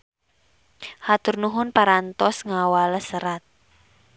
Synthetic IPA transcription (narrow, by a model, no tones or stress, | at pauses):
hat̪ʊrnuɦʊnpaɾant̪ɔsŋawaləsəɾat̪̚